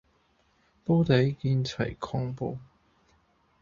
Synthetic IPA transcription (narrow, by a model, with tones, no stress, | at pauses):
po˥t̪e˨˥jkiː˧nt͡sʰɐ˨˩jkʰɔː˧˥ŋpo˧